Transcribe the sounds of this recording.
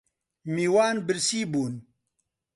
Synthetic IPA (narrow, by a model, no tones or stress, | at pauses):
miːwaːnbɨɾsiːbuːn